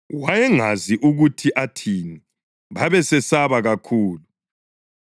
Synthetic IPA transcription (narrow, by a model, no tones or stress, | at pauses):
wajɛŋaziʔuɣutʰiʔatʰiːni | βaβɛsɛsaβaɣakʰuːlu